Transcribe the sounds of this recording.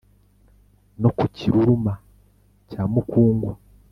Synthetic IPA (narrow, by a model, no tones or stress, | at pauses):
no̞kuciɾuɾuma | caːmukuːŋɡwa